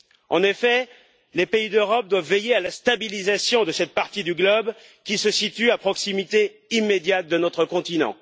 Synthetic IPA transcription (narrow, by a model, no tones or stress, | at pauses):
ɑ̰̃nefɛ | lepeid̪øʁɔp̚d̪wavːejealast̪abilizasjɔ̃d̪əsɛt̪̚paʁt̪id̪yɡlɔb | kʲisəsit̪yapχɔksimit̪e | imːed̪jat̪̚d̪ənɔt̪χəkɔ̃t̪inɑ̰̃